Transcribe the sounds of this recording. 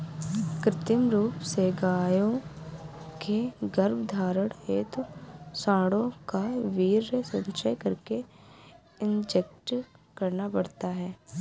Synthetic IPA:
kɾɪt̪ɪmɾuːpseɡaːjõ | kʰeɡəɾbd̪ʱaːɾəɽeːt̪sãːɽõkaʋiːɾsənʃəjkəɾke | ɪnd͡ʒekʈkɐɾnapɐɽt̪aɦɛː

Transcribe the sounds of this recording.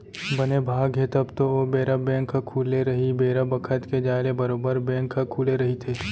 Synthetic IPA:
bɐnebʱaːɡɦet̪ɐbt̪oobeːɾəbɛ̃ːŋkɐkʰːuːleɾɐɦibeːɾəbɐkʰət̪ked͡ʒaːɪɾebɐɾoːbəɾbɛ̃ːŋkʰɐkʰuːleɾɐɦit̪ʰeː

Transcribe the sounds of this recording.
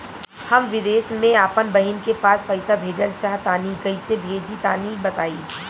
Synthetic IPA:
hɐmʋɪd̪eːsmẽaːpənbɐɦɪnkepaːspɐɪsabʱeːd͡ʒəlt͡ʃaːɦt̪aːniɡɐisebʱeːd͡ʒit̪aːnibɐt̪aːiː

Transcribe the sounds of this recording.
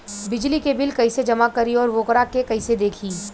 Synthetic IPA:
bɪd͡ʒlikebɪlkɐised͡ʒɐmakɐɾiɔːɾʋoːkɾakekɐised̪eːkʰiː

